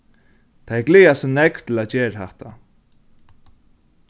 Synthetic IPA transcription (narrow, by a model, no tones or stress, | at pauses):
t̪ʰajɛklɪːjasɪnɛkt̪ʰɪlaðt͡ɕɛːɾahɛ̰ht̪a̰